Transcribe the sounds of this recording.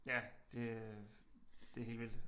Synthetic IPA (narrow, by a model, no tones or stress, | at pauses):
jæd̥e̝ | d̥e̝ɦe̝ːlʋil̰